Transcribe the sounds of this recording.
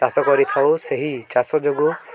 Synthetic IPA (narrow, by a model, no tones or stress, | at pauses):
asɔkɔɾit̪ʰawseɦit͡ʃasɔd͡ʒoɡu